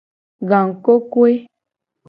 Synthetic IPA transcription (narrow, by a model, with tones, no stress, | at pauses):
ɡã˨ŋ˨ko˦kwe˦